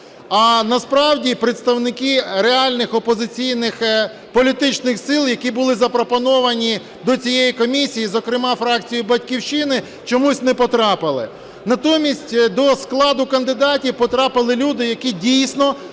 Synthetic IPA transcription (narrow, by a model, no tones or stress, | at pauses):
ɐnɐspɾɑwdʲipɾɪt̪st̪ɐwnɪkɪɾeɑlʲnɪxɔpɔzɪt͡sʲijnɪx | pɔlʲit̪ɪt͡ʃnɪxsɪlˠjɐkʲibʊlˠɪzɐpɾɔpɔnɔʋɐnʲi | d̪ɔt͡sʲijɛjikɔmʲisʲijizɔkɾɪmɑfɾɑk̚t͡sʲijʊbɐtʲkʲiwʃɪnɪ | t͡ʃɔmusʲnɛpɔt̪ɾɑpɪlˠɪ | nɐt̪ɔmʲisʲtʲd̪ɔsklˠɑd̪ʊkɐnd̪ɪd̪ɑtʲiwpɔt̪ɾɑpɪlˠɪlʲud̪ɪjɐkʲidʲijsʲnɔ